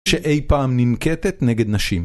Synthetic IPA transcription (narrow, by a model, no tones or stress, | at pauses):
ʃeʔejpaːmnimket̪et̪neɡed̪naʃim